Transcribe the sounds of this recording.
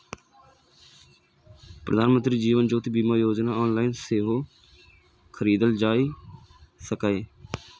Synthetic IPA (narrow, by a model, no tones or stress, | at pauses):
pɾəd̪ʱaːnmənt̪ɾiːd͡ʒiːʋənd͡ʒoːt̪iːbiːmaːjoːd͡ʒnaːɔːnlaːɪnseːɦoː | kʰəɾiːd̪əld͡ʒaːiː | səkaːeː